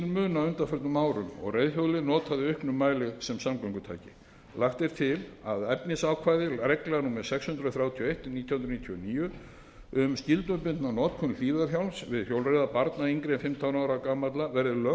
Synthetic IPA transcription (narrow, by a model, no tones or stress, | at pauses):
lmʏːnawʏnt̪afœɾt̪ʏmaːwɾʏmɔ̰ɣrejðhjowlɪnɔːt̪ʰaðɪʏhknʏmːaːjlɪsɛmsamklaŋkʏt̪ʰa̰ːjcɪ | laxt̪ɛɾ̥t̪ʰɪlaðɛpnɪsaːwkʰvaːjðɪɾɛklɛɣanuːmɛɾ̥sɛkshʏnd̪ɾʏɔθɾjawt̪ʰiɔejht̪niːt̪ʰjɔhʏnɾniːt̪ʰjɔniːjʏ | ʏmscɪlt̪ʏpɪnt̪nanɔːt̪kʰɔnʏliːvaðaθçjawlsvɪðfjowlrejðapaɾt̪naiŋkɾenfɪmt̪ʰawnaːwɾakaːmat̪lavɛɾðɪlœ